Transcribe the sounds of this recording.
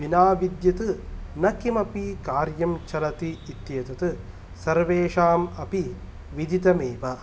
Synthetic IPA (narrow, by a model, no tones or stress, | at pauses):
ʋinaːʋid̪jɐt̪ɨnɐkimɐpikaːɾjɐmt͡ʃɐlɐt̪iːt̪jeːt̪ɐt̪ɨ | sɐɾʋeːʂaːmɐpi | ʋid̪it̪ɐmeːʋɐ